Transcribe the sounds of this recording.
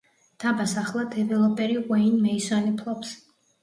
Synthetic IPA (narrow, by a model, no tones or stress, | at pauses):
d̪̥ʰabasaχlˠad̪ʰɛvɛlˠɔpʼɛɾiʁwɛinmɛisanipʰlˠɔps